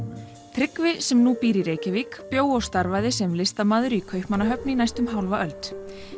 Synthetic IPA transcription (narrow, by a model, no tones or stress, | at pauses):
t̪ʰɾɪkvɪsɛmnupiːɾiɾeːjcɪviːkpjoːwɔst̪aɾvajðɪsɛmlɪst̪amaːðʏɾikʰœɥhpmanːaɦœpnɪinajst̪ʏmɦawlvaʔœlt̪